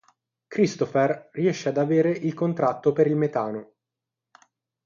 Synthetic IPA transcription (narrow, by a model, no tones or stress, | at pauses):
kɾist̪oferriɛʃːead̪aveːɾeʔilkont̪ɾat̪ːopeɾilmet̪aːno